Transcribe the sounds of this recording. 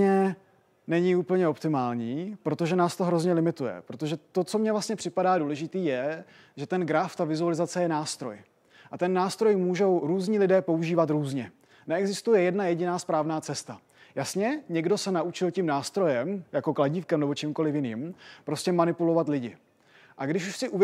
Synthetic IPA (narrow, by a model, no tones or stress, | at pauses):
ɛ | nɛɲɪupl̩ɲɛo̞pt̪ɪmaːlɲiːpɾo̞t̪o̞ʒɛnaːst̪o̞ɦɾozɲɛlɪmɪt̪ujɛ̰pɾo̞t̪o̞ʒɛt̪o̞t͡so̞mɲɛvlast̪ɲɛpr̥ɪpadaːduːlɛʒɪt̪iːjɛ | ʒɛt̪ɛnɡɾaft̪avɪzualɪzat͡sɛjɛnaːst̪ɾo̞̰j | ʔat̪ɛnːaːst̪ɾo̞jmuːʒo̞wɾuːzɲiːlɪdɛːpo̞uʒiːvat̪ɾuːzɲɛ | nɛɛɡzɪst̪ujɛjɛdnajɛɟɪnaːspɾaːvnaːt͡sɛst̪a | jasɲɛɲɛɡdo̞sɛnaʔut͡ʃɪlcimnaːst̪ɾo̞jɛmjako̞klaɟiːfkɛmnɛbo̞t͡ʃimko̞lɪfjɪnḭːmpɾo̞scɛmanɪpulo̞vat̪lɪɟɪ | ʔaɡdɪʃuʃsɪʔuv